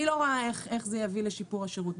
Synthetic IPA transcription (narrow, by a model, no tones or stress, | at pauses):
ilo̞ʁoae̞χe̞χzejavileʃipuʁaʃeʁut̪